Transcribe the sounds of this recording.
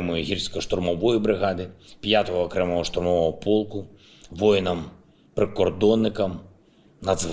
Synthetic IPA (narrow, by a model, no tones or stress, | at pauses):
mɔjʊɦʲirsʲkɔʃt̪ʊrmɔʋɔjibɾɪɦɑd̪ɪpjat̪ɔɦɔːkɾɛmɔɦɔʃt̪ʊrmɔʋɔɦɔpɔlˠkʊ | ʋɔjnɐm | pɾɪkɔrd̪ɔnːɪkɐm | nɐd̪z